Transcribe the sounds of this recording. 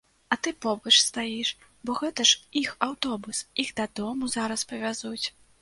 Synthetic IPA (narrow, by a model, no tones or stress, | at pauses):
ɐt̪ɨpɔbɐt͡ʂst̪ajiʂ | bɔɣɛt̪ɐʂixawt̪ɔbusiɣd̪ɐd̪ɔmuzaɾɐspɐvʲazut͡sʲ